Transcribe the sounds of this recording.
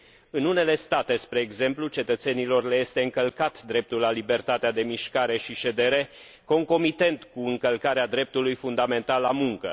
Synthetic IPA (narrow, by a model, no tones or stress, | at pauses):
ɨnune̞le̞st̪at̪e̞spɾe̞ːɡze̞mplut͡ʃe̞t̪ət̪se̞nilo̞rle̞je̞st̪e̞ɨŋkəlkat̪d̪ɾe̞p̚t̪ulːalibe̞rt̪at̪ead̪e̞miʃkaɾe̞ʃiʃe̞d̪e̞ɾe̞ | ko̞ŋko̞mit̪e̞nt̪kuɨŋkəlkaɾead̪ɾe̞p̚t̪ulujfund̪ame̞nt̪alamuŋkə̰